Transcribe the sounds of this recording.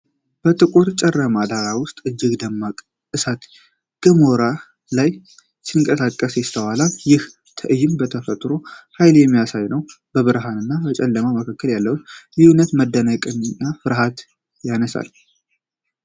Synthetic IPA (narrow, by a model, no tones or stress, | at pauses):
b̥ət̪ʼɨkʼot̪t͡ʃʼɛrːəmad̪aɾawʊst̪ʼɨd͡ʒːɪɡd̪əmːakʼ | ʔɨsat̪ | ɡ̥əmoɾa | laj | siŋkʼəsakʼːəsjɛst̪ʰəwalaljɪh | t̪ʰəʔɨjɪmbət̪ʰəfət̪ʼɾo̞hajljɛmːijasajnəw | b̥əβɨɾɦanɨnːabət͡ʃʼɛlːəmaməkʰakːəljalːəhut̪jɪhunət̪məd̪ːənakʼɨnɨnːafɨɾɦat̪ | janəsa̰l